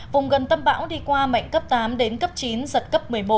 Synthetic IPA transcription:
vʊ˨˩ŋ͡mɣə˨˩nt̪ə˧mɓa̰ː˧˥wɗi˧kwaː˧ma̰˧˨jŋ̟kə˦˥p̚t̪aː˨˦mɗe˨˦nkə˦˥p̚t͡ɕi˨˦nzə˨˩t̚kə˦˥p̚mɨ˨˩əjmo˨˩

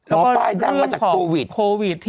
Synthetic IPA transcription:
lɛ˦˥˧kɔː˥˩˧ɾɾɯ˥˩ə˥ŋt͡ɕa˨kʰɔː˩˦o˧wi˨˩kʰoː˧wi˨˩t̪ʰː

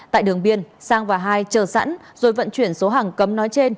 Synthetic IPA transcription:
t̪a̰ː˧˨jɗɨ˨˩əŋɓi˧ənsaː˧ŋvaː˨˩ɦaː˧jt͡ɕəː˨˩sa̰˧˥n | zo˨˩jvə̰˧˨nt͡ɕwi˧˩ənso˨˦ɦaː˨˩ŋkə˨˦mnɔ˨˦jt͡ɕe˧n

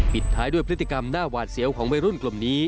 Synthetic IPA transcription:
pi˨˩t̪ʰːaː˦˥jdu˥˩jpʰɾt̪ʰːi˧ka˧mnaː˥˩waː˨˩t̪̚si˩˦əwkʰɔː˩˦ŋba˧ɾu˥˩nklo˨˩mniː˦˥

